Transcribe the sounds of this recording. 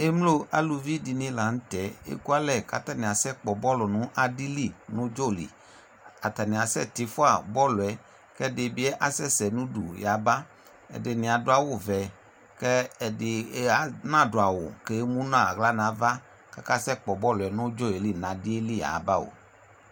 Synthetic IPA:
e˦mlo˦a˦lu˧vi˦di˧nĩ˦la˨n̩˦tɛ˨˦ḛ˦ku˦a˦lɛ˦˨ka̰˦ta˦nĩ˨a˨sɛ˦k͡pɔ˨bɔ˦lɔ˨nʊ̃˨˦ʔa˦di˦li˦˨nʊ̃˦d͡ʒɔ˦˨lḭ˨ | a˨ta˨nĩ˨a˨sɛ̰˦˨tɪ˧fʊ˦a˦˨bɔ˦lʊ˨ɛ˨˦ | kɛ˦dɪ˨bɪ˨˦ɛ˦ʔa˨sɛ˦sɛ˨nũ˦dṵ˨ja˨˦ba˦ | ɛ̰˨dɪ˨nɪ̃˨a˨dʊ˨˦a˨wʊ˦˨vɛ˨ | kɛ˦˨dɪ˨˦a˨˦nã˦˨dʊ˨a˨wʊ̰˨ke˦mũ˦nã˦˨ɣla˦nã˨˦va˦ | ka˦ka˦sɛ˦˨k͡pɔ˨bɔ˦lɛ˨nʊ˦d͡ʒɔ˦˨e˨li˦˨nã˨di˦e˦li˦ja̰˨ba˦˨o̰˨

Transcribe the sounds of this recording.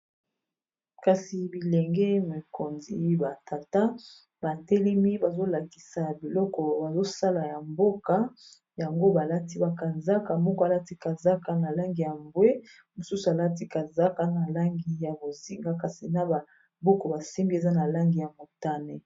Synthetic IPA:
ka˨si˨bi˨lɛ˨ŋɡɛ˦me˨ko˨nzḭ˨ba˨ta˨ta˦ | ba˨tɛ˦lɛ˦mi˦ba˨zo˦la˨ki̥˨sa˨bi˨lɔ˦kɔ˨ba˨zo˦sa˦la˨ja˨mbo˦ka˦ | ja˨ŋɡo˦ba˨la˦ti˦ba˨ka˨za˦ka˨mɔ˦kɔ˦a˨la˦ti˦ka˨za˦ka˨na˨la˦ŋɡi˨ja˨mbwe˦ | mo˨su˦su˨a˨la˦ti˦ka˨za˦ka˨na˨la˦ŋɡi˨ja˨bo˨zi˨ŋɡa˦ka˨si˨na˦ba˨ | bo˦ko˨ba˨si˦mbi˦e˨za˦na˨la˦ŋɡi˨ja˨mo˨ta˦ne˨

